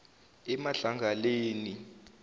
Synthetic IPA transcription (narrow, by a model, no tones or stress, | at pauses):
ɛmaɬaŋɡʱaleːni